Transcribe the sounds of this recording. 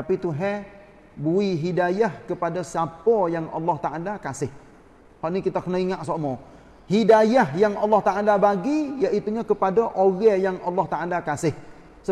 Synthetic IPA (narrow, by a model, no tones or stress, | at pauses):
t̪apit̪uɦɛ | buiɦidajahkəpadasapɔjaŋɑ̰lːɔht̪aʔalakasɪh | haʔnikit̪akənaiŋaʔsomɔ | hidajahjaŋɑlːɑht̪aʔalabaɡijaʔit̪uɲakəpadaʔoɡɛjaŋɑlːɔht̪aʔalakasɪh | sə